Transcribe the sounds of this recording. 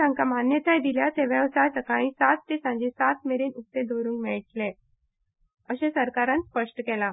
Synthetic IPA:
ãŋkam̤anjət̪ajd̪iljat̪eʋjəʋsajsəkaɽ̃ĩsat̪ːesãɲd͡ʑesat̪meɾiːnukt̪ːed̪oɾũːŋkmiɭʈle | əɕẽsəɾkaɾãnspəʂʈəkɛla

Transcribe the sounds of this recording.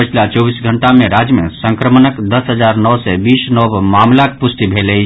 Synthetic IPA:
ət͡ʃʰlat͡ʃɔbisɡʱəɳʈamẽɾad͡ʒjəmḛsə̃ŋkɾəmənəkd̪əsɦəd͡ʒaɾnɔwsɛbiːsnɔbmamlakpust̪ibʱelɛ

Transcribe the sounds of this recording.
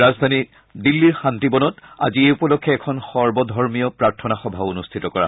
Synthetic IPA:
azd̪ʱani | dilːiɹxantibɔnɔta̰zieupɔlɔkʰːɛɛkʰɔnxɔɹbɔdʱɔɹmijɔpɹaɹtʰɔnaxɔbʱaonustʰitɔkɔɹa̰

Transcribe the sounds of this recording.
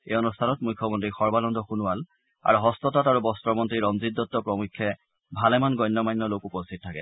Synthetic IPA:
eɔnustʰanɔt̚mujkʰːɔmɔntɹixɔɹbalɔndʱɔxunual | a̰ɹuɦɔstɔtataɹubɔstɹɔmɔntɹiɹɔmzidːɔtːɔpɹɔmukʰːɛ | bʱalɛmanɡɔjnːɔmajnːɔlokupostʰit̚tʰːakɛ̰

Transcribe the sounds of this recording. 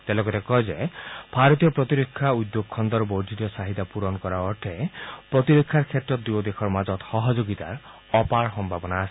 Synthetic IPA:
t̪elɔkɔt̪ekɔɦed͡ʒeb̥ʱaɾɔt̪ijɔpɾɔt̪iɾokʰːjaud̪joɡkʰɔnd̪ɔɾboɾd̪ʱit̪ɔsaɦit̪apuɾɔnkɔɾaɔʈʰepɾɔt̪iɾokʰːjaɾkʰet̪ɾɔd̪uɔd̪ekʰɔɾmad͡ʒɔt̪hɔɦɔd͡ʒoɡit̪a̰ɾ | ɔpaɾɦɔmbʱabɔnaːsʰi̥

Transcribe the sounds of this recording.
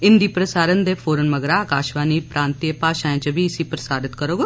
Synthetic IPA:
ɪnd̪iːpɾəsaːɾənd̪eːfʰoːɾənməɡɾakaːʃʋaːniːpɾãːnt̪ijəpaːʃaːẽːt͡ʃəbʱiɪsiːpɾəsaːɾɪt̪kəɾoːɡ

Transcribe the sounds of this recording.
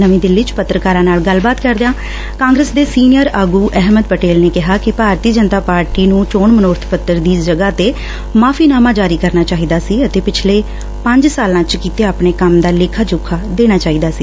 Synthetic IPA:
nəʋĩːd̪ɪlːit͡ʃpət̪ːɾəkaːɾãːnaːlɡəlbaːt̪kəɾd̪eãː | kãːŋɡɾeːsd̪eːsiːnɪjəɾaːɡuːʔɛɦməd̪̚pəʈeːlneːkɪɦaːkɪpaːɾt̪iːd͡ʒənt̪aːpaːɾʈiːnũːt͡ʃoːɳmənoːɾt̪ʰpət̪ːəɾd̪iːd͡ʒəɡaːt̪eː | maːpʰiːnaːmãːd͡ʒaːɾiːkəɾnaːt͡ʃaːɦiːd̪aːsiːət̪eːpɪt͡ʃʰleː | pə̃ɲd͡ʒsaːlãːt͡ʃkiːt̪eːapɳeːkəmd̪aːlɪkʰaːd͡ʒʊkʰaːd̪eːñaːt͡ʃaːiːd̪aːsiː

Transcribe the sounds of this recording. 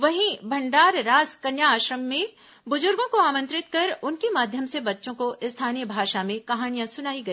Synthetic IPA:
ʋɐɦĩbʱɐ̃ɳɖaːɾɾaːzkɐnjaːʃɾəmːẽ | bʊzʊɾɡõkoaːmə̃nt̪ɾɪt̪kɐɾʊnkemaːd̪ʱjəmsebɐtːʃõkost̪ʰaːnijəbʱaːʃamẽkɐɦaːnijãsʊnaːiɡɐi

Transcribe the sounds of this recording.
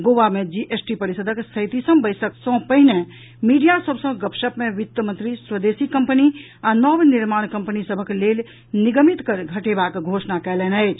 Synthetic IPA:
ɡoːʋamẽd͡ʒiʔesʈipəɾisəd̪ʱəksəɪt̪isəmbəɪsəksɔ̃pəɦɪnẽ | miːɖijasəbʱsə̃ɡəpʃəpmẽʋɪt̪ːəmə̃nt̪ɾisɾəd̪eːsikə̃mpəni | anɔːʋnɪɾmaːɽ̃kə̃mpənisəbʱəkleːl | nɪɡəmit̪kəɾɡʱəʈebaːkɡʱoːʃnakɛːlɛːnəet͡ʃ

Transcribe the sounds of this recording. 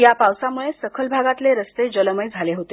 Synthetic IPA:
japawsamuɭesəkʰəlbʱaɡat̪leɾəst̪ed͡ʑələməjd͡zʱaleɦot̪e

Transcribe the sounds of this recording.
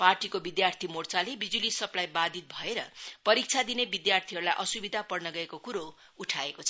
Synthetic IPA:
parʈikobid̪jart̪ʰimort͡salebid͡zulisʌplajbad̪ʱit̪̚bʱʌeɾʌ̰pʌɾik̚t͡sʰad̪inebid̪jart̪ʰiɦʌɾulajʔʌsubid̪ʱapʌrnʌɡʌekokuɾo | uʈʰaekot͡sʰʌ

